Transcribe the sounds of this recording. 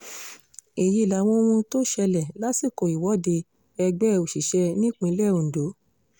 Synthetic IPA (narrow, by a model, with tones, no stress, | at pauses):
e˨ji˧˦˨la˨˦w̃ɔ̃˦w̃ũ˧to˦ʃɛ˧lɛ˨la˦si˦˨ko˨i˨wɔ˨˦de˧ | ɛ˧ɡ͡bɛ˦˧o˨ʃi˨ʃɛ˧nĩ˦k͡pĩ˧˦lɛ˦˨ũ˨do˨˦